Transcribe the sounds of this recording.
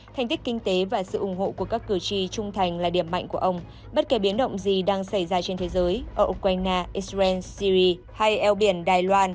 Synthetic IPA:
t̪ʰa˨˩jŋ̟t̪i˦˥k̚i˧ŋ̟t̪e˨˦vaː˨˩sɨ̰˧˨ʔʊ˧˩ŋ͡mɦo̰˧˨ku˧˩əkaː˦˥kːɨ˧˩t͡ɕi˧t͡ɕʊ˧ŋ͡mt̪ʰa˨˩jŋ̟laː˨˩ɗi˧˩əmːa̰˧˨jŋ̟ku˧˩əʔə˧wŋ͡m | ɓə˦˥t̚ke˨˩ɓi˨˦ənɗə̰˧˨wŋ͡mzi˨˩ɗaː˧ŋsa˧˩jzaː˧t͡ɕe˧nt̪ʰe˨˦zəː˨˦jʔəː˧˩ʔu˧kwaː˧jnaː˧ʔi˧˥szɛ˧nsi˧zi˧ | ha˧jʔɛ˧wɓi˧˩ənɗaː˨˩jlwaː˧n

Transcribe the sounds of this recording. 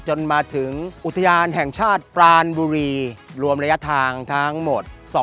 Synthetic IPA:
t͡ɕo˧nmaː˧t̪ʰɯ˩˦ŋʔu˨˩t̪ʰːa˧jaː˧nɦɛ˨˩ŋt͡ɕʰaː˥˩t̪̚pɾaː˧nbuː˧ɾiː˧ɾu˧əmɾa˧ja˦˥t̪ʰaː˧ŋt̪ʰa˦˥ŋmo˨˩t̪̚sɔ˨˩˦

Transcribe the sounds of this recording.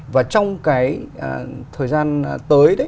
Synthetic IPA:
vaː˨˩t͡ɕɔ˧wŋ͡mkaː˨˦jʔəː˨˩t̪ʰəː˨˩jzaː˧nt̪əː˨˦jɗə˨˦

